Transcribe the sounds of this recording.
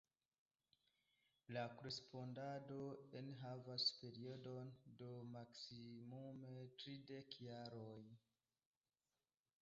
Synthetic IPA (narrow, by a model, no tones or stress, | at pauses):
lakoɾespo̞ndadoenɦavaspe̞ɾiodo̞ndo̞maksimumetɾide̞kjaɾoj